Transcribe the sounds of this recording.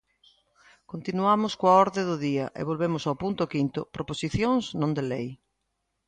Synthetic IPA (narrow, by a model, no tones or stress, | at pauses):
kont̪inuamʊskoaɔɾðɪðʊðiɐʔḛβ̞olβemʊsawpunt̪ʊkint̪ʊpɾoposiθjõŋznõnd̪elej